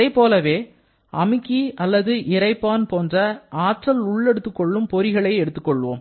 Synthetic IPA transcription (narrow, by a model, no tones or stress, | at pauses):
ɐɪpoːlɐʋeː | ʔɐmɪkːiɐlːɐðɯʔɪɾɐɪpːaːnpoːndrɐʔaːʈrɐlʊɭːɛɽɯt̪ːɯkːɔɭːɯmpɔɾɪɣɐɭɐɪɛɽɯt̪ːɯkːɔɭːʋo̰ːm